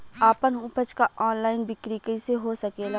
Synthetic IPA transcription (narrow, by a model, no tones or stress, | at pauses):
aːpənʊpət͡ʃkaʔɔːnlaːɪnbɪkɾikəiseɦosəkeːlaː